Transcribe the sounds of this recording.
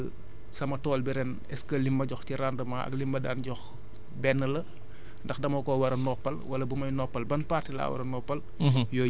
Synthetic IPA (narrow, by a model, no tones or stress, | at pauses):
sɐmɐtɔːlbiɾɛn | ɛskɐlimbɐɟɔxtiɾandɐmɐɐ̰klimbɐdaːnɟɔx | bɛnːəlɐ | ndɐxdɐmɔkɔwɐɾɐnɔpːɐlwɐlɐbumɐjnɔpːɐlbɐnpaːtːila̰wɐ̰ɾɐnɔpːɐl | jɔ